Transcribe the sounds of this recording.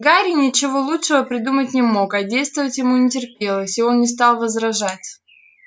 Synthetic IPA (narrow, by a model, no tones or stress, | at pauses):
ɡaɾʲɪnʲɪt͡ɕɪvo̞lˠutʂɨvəpɾʲɪd̪umət̚ʲnʲɪmo̞kɐdʲejst̪vəvətʲjɪmunʲɪtʲɪrpʲe̞lˠəsʲɪo̞nnʲɪst̪ɑlˠvəzɾɐʐatʲ